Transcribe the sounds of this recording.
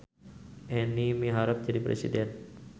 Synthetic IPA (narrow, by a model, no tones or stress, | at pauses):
ʔɛnimiɦaɾap̚d͡ʒadipɾḛsḭdɛn